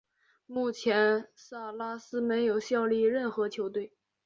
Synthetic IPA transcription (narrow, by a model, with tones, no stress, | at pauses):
mu˥˩t͡ɕʰjɛ˧˥nsa˥˩la˥sɹ̩˥me˧˥ɪjo˨˩ʊɕjɑ˥˧ʊli˥˧ɻə˥˩nxɤ˧˥t͡ɕʰjo˧˥ʊt̪we˥˩ɪ